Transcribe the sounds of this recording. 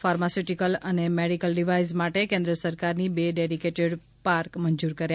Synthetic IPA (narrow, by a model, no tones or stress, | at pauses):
faɾmasiʈikələnemeɽikəlɖiʋaizmaʈekẽnd̪ɾəsəɾkaɾnibeɖeɽikeʈəɽ | paɾkməɲd͡ʒuɾkəɾj